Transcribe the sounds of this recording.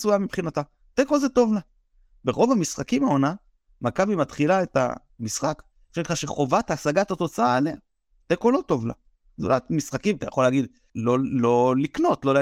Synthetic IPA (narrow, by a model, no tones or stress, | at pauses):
sujamipχinata | teko̞zeto̞vla | beʁo̞vamisχakimao̞na | makabimatχilaeta̰ | misχak | ʃeχaʃeχo̞vataasaɡatato̞t͡saale | tekolo̞tovla̰ | zṵlatmisχakimatajaχo̞leaːɡid̪ | lo̞lo̞likno̞tlo̞l